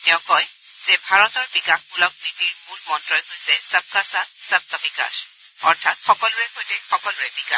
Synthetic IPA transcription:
tɛʊ̃kɔj | z̥ɛbʱaɹɔtɔɹbikaxbulɔk̚bitiɹmulmɔntɹɔjɦojsɛsab̚kasasab̚tɔbika̰s | ɔ̰ɹtʰatxɔkɔlʊɹɛɦojtɛxɔkɔlʊɹɛbika̰

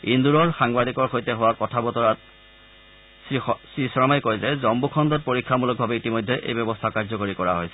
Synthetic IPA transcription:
induɹɔɹxaŋbadikɔɹxojtɛɦʊwakɔtʰabɔtɔɹat̚ | sɹisɔɹɔmajkojzɛzɔmbukʰɔndɔt̚poɹikʰːamulɔk̚bʱabɛitimojdʱːɛʔḛjbjɔbɔstʰakaɹzɔkoɹikɔɹa̰ɦojsɛ

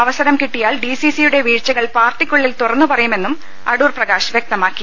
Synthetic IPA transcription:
ɐʋɐsɐɾɐmkiʈːijaːɭɖisisijuɽe̞ʋiːɻt͡ɕːɐɣɐɭpaːrt̪ikʲːuɭːilt̪urɐnːupɐrɐjume̞nːum | ɐ̰ɽuːrprɐɣaːɕʋjek̚t̪ɐmaːkːi

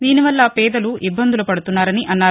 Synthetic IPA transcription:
d̪iːniʋɐlːɐpɛːd̪ɐluʔibːɐnd̪ulupɐɽut̪unːaːɾɐniʔɐnːaː

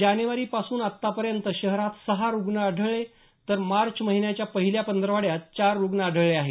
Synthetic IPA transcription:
d͡ʑanjuʋaɾiːpasuːnat̪ːapəɾjənt̪əɕəɦɾat̪səɦaɾuɡnaəɖʱəɭe | t̪əɾmaɾt͡ɕməɦinjat͡ɕjapəɦiljapənd̪ɾəʋaɽjat̪t͡ɕaɾːuɡnaəɖʱəɭeaɦe

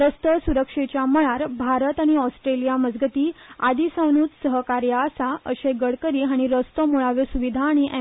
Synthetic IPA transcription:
ɾəst̪əsuɾəkʂet͡ɕjaməɭaɾbʱaɾət̪aɽ̃iɔsʈɾelijaməd͡zɡət̪iːad̪isəwnuːt̪səɦəkaɾjaːsaəɕeɡəɽkəɾiːɦaɽ̃iɾəst̪omuɭaʋesuʋid̪ʱaːɽ̃iʔɛ

